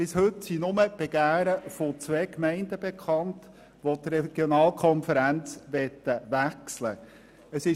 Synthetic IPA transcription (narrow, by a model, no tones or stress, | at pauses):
pɪshɵtsinʊməb̥ɛɡ̥æːɾəfot͡sʋɛːkmɛɪndəbekʰχɑnt | ʋotrɛɡ̥jonɑːlkʰχɔnfəɾænt͡sʋɛt̪ːəʋækslə̰ | əsɪ